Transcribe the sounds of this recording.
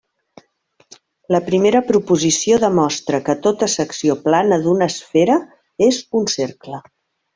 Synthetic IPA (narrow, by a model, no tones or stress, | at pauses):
ləpɾimeɾəpɾupuzisioðəmɔst̪ɾəkət̪ot̪əsəksioplanəðunəsfeɾə | ezunseɾklə